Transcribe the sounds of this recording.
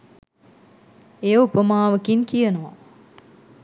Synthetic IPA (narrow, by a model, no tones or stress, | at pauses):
ejupəmaːʋɐkiŋkijɐnuʋa̰